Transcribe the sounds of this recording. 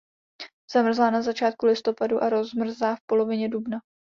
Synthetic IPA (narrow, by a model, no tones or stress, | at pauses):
z̥amr̩zlaːnazat͡ʃaːt̪̚kulɪst̪o̞paduʔaɾo̞zmr̩zlaːfpo̞lo̞vɪɲɛdubna